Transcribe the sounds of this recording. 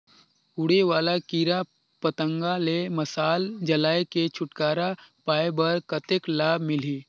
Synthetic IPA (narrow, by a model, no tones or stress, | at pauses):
ʊɽeʋwaːlakiːɾa | pət̪ə̃ŋɡalemɐsaːld͡ʒɐlaːeket͡ʃʰʊʈkaːɾapaːebɐɾkət̪ɪklaːbmɪliː